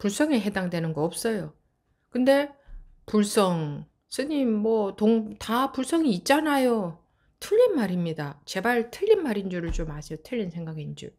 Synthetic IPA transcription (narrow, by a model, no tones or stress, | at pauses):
puɭs͈ʌŋe̞ɦe̞daŋdwe̞nɯnɡʌʌp̚s͈ʌjo | kɯnde̞ | puɭs͈ʌŋ | sʰɯɲimːwʌtoŋtapuɭs͈ʌŋiːt̚t͡ɕ͈anajo | tʰɯʎːinmaɾimɲidat͡ɕe̞baɭtʰɯʎːinmaɾind͡ʑuɾɯɭt͡ɕomaɕʰiotʰɯʎːinsʰeŋɡaɡeind͡ʑṵ